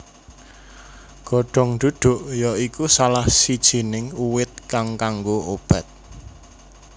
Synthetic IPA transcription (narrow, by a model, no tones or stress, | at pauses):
ɡ̥ɔ̤ɖ̥ɔ̤ŋɖ̪̥ud̪̥o̤ʔjɔikusalahsid̥ʒ̥i̤nɪŋuwɪt̪̚kaŋkaŋɡoob̥a̤t̪̚